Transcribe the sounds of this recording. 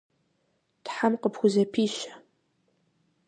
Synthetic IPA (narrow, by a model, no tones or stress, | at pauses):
tħamqəpʰxʷʊzɐpʰiːɕɐ̥